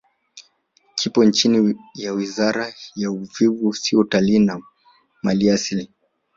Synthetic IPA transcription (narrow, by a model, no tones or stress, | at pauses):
kʰipɔnt͡ʃinijawizaɾajauvivusiɔtaliːna | maliasili